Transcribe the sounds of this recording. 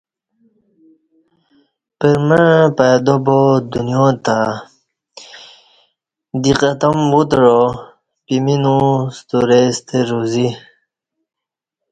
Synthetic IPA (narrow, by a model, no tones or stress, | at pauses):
pəɾməpajd̪obod̪unjõt̪a | d̪iqat̪amwut̪ɻo | piminust̪uɾest̪eɾuzi